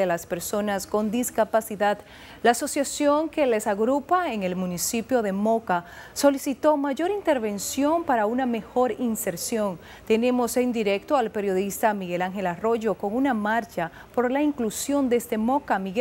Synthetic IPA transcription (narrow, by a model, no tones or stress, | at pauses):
elaspe̞ɾso̞nasko̞nd̪iskapasiðad̪ | laːso̞sjasjoŋke̞le̞saɣɾupaeŋe̞lmũnisipjo̞ðe̞mo̞ka | so̞lisit̪o̞maʝo̞ɾint̪e̞ɾβe̞nsjo̞mpaɾauname̞xo̞ɾinse̞ɾsjo̞n | t̪e̞ne̞mo̞send̪iɾe̞k̚t̪oalpe̞ɾjo̞ðist̪amiɣe̞laŋxe̞laro̞ʝo̞ko̞ŋunamaɾt͡ʃa | po̞ɾlaiŋklusjo̞nd̪est̪e̞mo̞kamiɣ